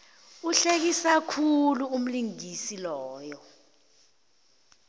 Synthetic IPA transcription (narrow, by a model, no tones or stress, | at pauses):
uɬek̬isakʰuluum̩liŋisilɔːjɔ